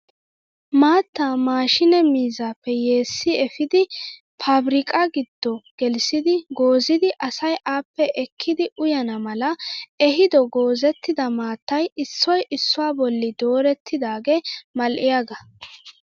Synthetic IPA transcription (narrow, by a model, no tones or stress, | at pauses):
maːt̪ːaːmaːʃɪnɛmiːzaːpːɛje̞ːsːɪɛfɪd̪ɪ | pʰabɾɪkʼɐɡɪd̪̥ːɔɡ̥ɛlsɪd̪ɪɡo̞ːzɪd̪ɪʔɐsɐjʔaːpːɛʔɛkʰːɪd̪ɪʔʊjɐnɐmɐlɐɛɦɪd̪ɔɡo̞ːzɛt̪ːɪd̪ɐmaːt̪ːɐjɪsːɔjɪsːʊwaːbɔlːɪd̪o̞ːɾɛt̪ʰːɪd̪aːɡemɐlʔɪjaɡɐ